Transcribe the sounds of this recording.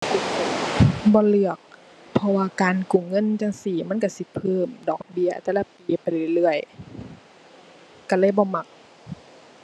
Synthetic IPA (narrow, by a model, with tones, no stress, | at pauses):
bɔː˧˦lɯ˧˩ək̚ | pʰɔ˧waː˧kaː˨nkuː˨˩ŋɤ˧˥˨nt͡ɕa˧ŋsiː˨˩ma˧˥˨nka˧˩si˧˦pʰɤː˧˥˩mdɔː˨˩k̚bi˧˥ɐt̪ɛː˧˩la˧˩piː˨pa˨˩jlɯ˧˩˨lɯ˧˩əj | ka˧˩lɯː˧˥˨jbɔː˧˦ma˧˩k̚